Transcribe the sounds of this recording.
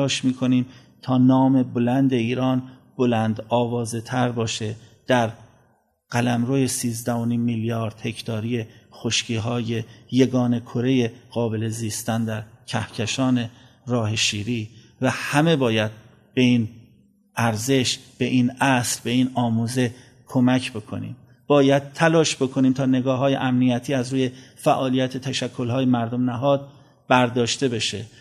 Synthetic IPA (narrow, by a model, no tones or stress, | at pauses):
ɒːʃmiːkʰo̞niːm | t̪ʰɒːnɒːme̞bolænd̪e̞iːɾɒːnb̥o̞lænd̪ɒːvɒːze̞t̪ʰæɾbɒːʃe̞d̪̥æɾ | ɢ̥ælæmɾoːje̞siːzd̪æhoniːmːiljɒːɾd̪he̞kʰt̪ʰɒːɾije̞xoʃcʰiːɦɒːje̞jeɡɒːne̞kʰoɾe̞je̞ɣ̥ɒːbe̞le̞ziːst̪ænd̪æɾcʰæhcʰeʃɒːne̞ | ɾɒːheʃiːɾiː | væhæme̞bɒːjæd̪̥̚ | b̥e̞iːn | ʔæɾze̞ʃb̥e̞ʔiːnæslbe̞iːnɒːmuːze̞ | kʰo̞mæcʰbe̞kʰo̞̰nḭːm | b̥ɒːjæd̪̥̚t̪ʰːælɒːʃb̥e̞kʰo̞niːmt̪ʰɒːne̞ɡɒːɦɒːje̞̰ʔæmnijæt̪ʰiːæzɾuːje̞fæʔɒːlijæt̪ʰet̪ʰæʃækʰːo̞lɦɒːjemæɾd̪omnæɦɒːd̪̚ | b̥æɾd̪ɒːʃt̪e̞be̞ʃe